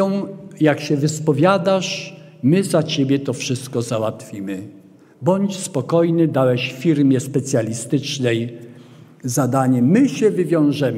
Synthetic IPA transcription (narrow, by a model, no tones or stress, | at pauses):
ɔ̃jakɕɛvɘspɔvʲjad̪aʂ | mɘzat͡ɕebʲjɛt̪ɔfʂɘst̪kɔzawat̪fʲimɘ | bɔɲt͡ɕspɔkɔjnɘd̪awɛɕffʲiɾmʲjɛspɛt̪sʲjalʲist̪ɘt͡ʂnɛj | zad̪aɲɛːɘɕɛvɘvʲjɔ̃w̃ʐɛm